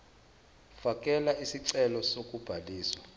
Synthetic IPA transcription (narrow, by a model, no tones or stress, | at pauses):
fakʼɛlaʔisiǀɛlɔsokʼub̥ʱaliːswa